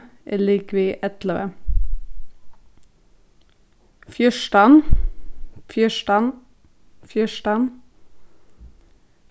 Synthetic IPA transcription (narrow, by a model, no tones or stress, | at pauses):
ʔḛːliːkʋiːʔɛt̪ləʋə̰ | fjœʃʈɑn | fjœʃʈɑn | fjœʃʈɑn